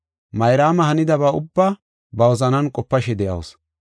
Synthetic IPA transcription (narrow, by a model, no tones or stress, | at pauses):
mɐjɾaːmɐɦɐnɪd̪ɐbɐʊbːɐ | bɐwɔzɐnɐnkʼɔpːɐʃɛd̪ɛjɐ̰ws